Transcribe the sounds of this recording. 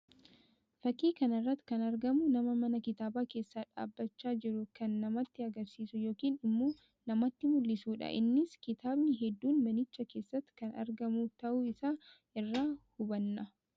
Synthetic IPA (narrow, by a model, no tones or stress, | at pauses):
fɐkiːkɐnɐrːɐt̪ːkɐnɐɾɡɐmʊnɐmɐmɐnɐkɪt̪aːbaːke̞ːsːaːᶑa̰ːbːɐt͡ʃːaːd͡ʒɪɾʊkɐnːɐmɐt̪ːɪɐɡɐɾsiːsʊjo̞ːkiːnɪmːoː | nɐmɐt̪ːɪmʊlːɪsuːᶑɐ̰ʔɪ̰nːɪskɪt̪aːbnɪɦɛd̪ːuːnmɐnɪt͡ʃːɐke̞ːsːɐt̪ːkɐnɐ̰ɾɡɐmut̪ɐʔuɪsaː | ɪrːaːhʊbɐnːɐ